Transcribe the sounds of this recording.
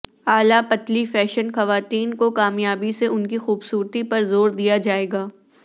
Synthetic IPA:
aːlapɐt̪lifɛːʃənxɐʋaːt̪iːnkokaːmjaːbiseʔʊnkixuːbsuːɾt̪ipɐɾzoːɾd̪ijad͡ʒaːeːɡaː

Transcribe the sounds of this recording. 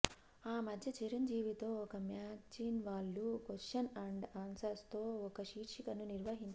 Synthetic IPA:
aːmɐd̪ʱjɐt͡ʃiɾɐɲd͡ʒiːʋit̪o̞ːɔkɐmjaːt͡ʃiːnʋaːɭːukoʃɐnɐɳɖaːnsɐɾst̪o̞ːɔkɐʃiːɾʂikɐnuniɾʋɐɦiɲt͡ʃ

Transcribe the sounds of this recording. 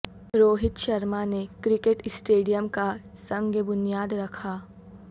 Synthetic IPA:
ɾoːɦɪt̪ʃɐɾmanekɾɪkeʈɪsʈeːɖijəmka | sɐ̃ŋɡəbʊnijaːd̪ɾɐkʰaː

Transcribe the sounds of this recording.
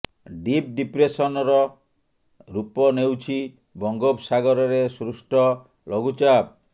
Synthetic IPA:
ɖip̚ɖipɾesɔnɔɾɔ | ɾupɔnewt͡ʃʰi | bɔŋɡobsaɡɔɾɔɾesɾusʈɔ | lʔoɡut͡ʃab̚

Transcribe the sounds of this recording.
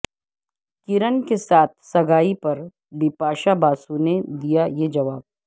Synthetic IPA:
kɪɾənkesaːt̪̚ʰsɐɡʱaːipɐɾ | bɪpaːʃabaːsuned̪ijajed͡ʒɐʋaːb̚

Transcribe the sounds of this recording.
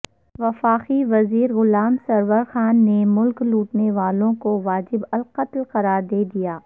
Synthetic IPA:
ʋɐfaːqiʋɐziːɾɣʊlaːmsɐɾʋəɾxaːnːemʊlkluːʈneʋaːlõkoʋaːd͡ʒɪbɐlqɐt̪lqɐɾaːɾd̪eːd̪ijaː

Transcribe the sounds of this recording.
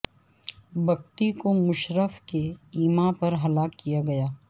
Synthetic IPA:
bʱɐk̚ʈ̪ikomʊʃɾəfkeiːmãpɐɾɦɐlaːkːijaɡɐjaː

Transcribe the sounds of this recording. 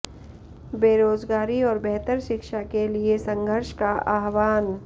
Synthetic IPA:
beːɾoːzɡaːɾiɔːɾbɛɦt̪əɾʃɪkʃakeliesɐ̃ŋɡʱəɾʃkaʔaːɦʋaːn

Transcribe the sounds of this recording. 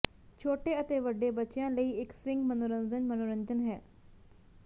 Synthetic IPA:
t͡ʃʰoːʈeːət̪eːʋəɖːeːbətːʃjãːləiːɪksʋɪ̃ŋɡmənoːɾənd͡ʒənmənoːɾənd͡ʒənɦɛː

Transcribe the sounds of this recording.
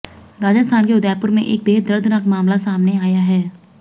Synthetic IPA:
ɾaːd͡ʒəst̪ʰaːnkeʊd̪ɛːpʊɾmẽʔeːk̚beːɦəd̪əɾd̪ʱnakmaːmlasaːmneaːjaɦɛː

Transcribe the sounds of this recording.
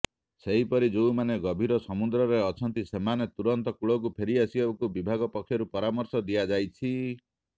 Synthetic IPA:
seɦipɔɾid͡ʒoumaneɡɔbʱiɾɔsɔmud̪ɾɔɾeɔt͡ʃʰɔnt̪isemanet̪uɾɔnt̪ɔkuɭɔk̬upʰeɾiasibabɔkubibʱaɡɔpɔkʰjɔɾupɔɾamɔɾsɔd̪iad͡ʒajt͡ʃʰi

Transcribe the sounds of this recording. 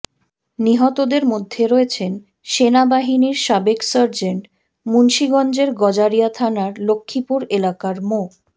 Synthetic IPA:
niɦɔt̪od̪eɾmod̪ʱːeɾɔet͡ɕʰen | ʃenabaɦiniɾʃabeksəɾd͡ʑeɳʈ | munʃiɡɔnd͡ʑeɾɡɔd͡ʑaɾijat̪ʰanaɾlokʰːipuɾelakaɾmo

